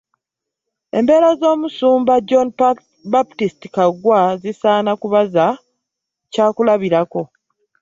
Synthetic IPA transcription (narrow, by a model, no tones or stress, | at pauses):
e̞̰mbe̞ːɾazo̞ːmusuːmbad͡ʒon | baptisti̥kaɡwazisaːnakuβaza | caːkulaβiɾako̞